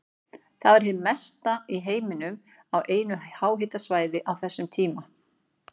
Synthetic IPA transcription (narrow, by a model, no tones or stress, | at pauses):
θaðɛɾ̥ɦɪmɛst̪aiɦeːjmɪnʏm | awʔeːjnʏhaːwɦɪt̪asvaːjðɪʔawθɛsːʏmt̪ʰiːma